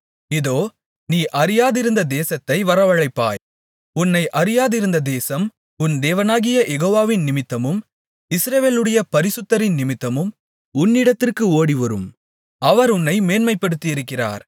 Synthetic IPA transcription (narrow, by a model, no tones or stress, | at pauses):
ɪðoː | niːʔɐɾɪjaːðɪɾɯnd̪ɐd̪eːsɐt̪ːɐɪʋɐɾɐʋɐɻɐɪpːa̰ːj | ʊnːɐɪʔɐɾɪjaːðɪɾɯnd̪ɐd̪eːsɐm | ʊnd̪eːʋɐnaːɣɪjɐjɛɣoːʋaːʋɪnnɪmɪt̪ːɐmɯm | ɪsɾɐʋeːlɯɽɐjɐpɐɾɪsɯt̪ːɐɾɪnnɪmɪt̪ːɐmɯm | ʊnːɪɽɐt̪ːɪrkɯoːɽiʋɐɾɯ̰m | ɐʋɐɾʊnːɐɪmeːnmɐɪpːɐɽɯt̪ːɪɪɾɯkːɪra̰ːɾ